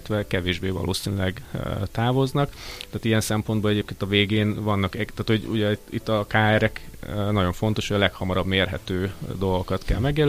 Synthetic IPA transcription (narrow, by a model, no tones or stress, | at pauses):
t̪ʋɛkɛveːʒbeːvɒ̰lʔo̰ːsinylɛɡt̪aːvo̞znɒkt̪aːt̪ijɛnsɛmpo̞nbolɛɟeːpkeːnt̪ɒveːɡeːnvɒnːɒkɛt̪aːt̪ho̞ɟṵɟɛḭt̪ːɒkaːɛɾɛknɒɟo̞ɱfo̞n̪t̪o̞ʃhojɒlɛkhɒmɒɾɒbmeːrɦɛ̰t̪øːd̪o̞lɡokɒt̪kɛ̰lmɛɡjɛl